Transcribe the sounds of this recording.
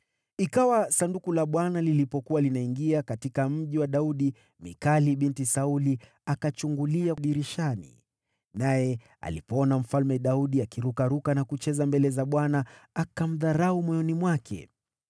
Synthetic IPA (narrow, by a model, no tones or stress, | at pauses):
ikawasandukulaɓwanalilipɔkuwalinaiŋɡiakatikam̩ʄiwaɗauɗi | mḭkaliɓintisauli | akat͡ʃuŋɡuliaɗiɾiʃanḭ | najɛ | a̰lipɔɔnam̩falmɛɗauɗiakiɾukaɾukanakut͡ʃɛzambɛlɛzaɓwanaːkam̩ðaɾaumɔjɔnimwakʰɛ̰